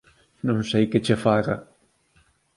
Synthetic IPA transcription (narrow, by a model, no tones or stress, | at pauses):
nõŋsejkɪt͡ʃɪfaɣɐ